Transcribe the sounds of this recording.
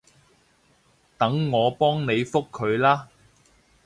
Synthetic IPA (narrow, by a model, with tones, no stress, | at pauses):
t̪ɐ˨˥ŋːɔː˨˧pɔː˥ŋne˨˧jfʊ˥kʰːɵ˨˧ɥlaː˥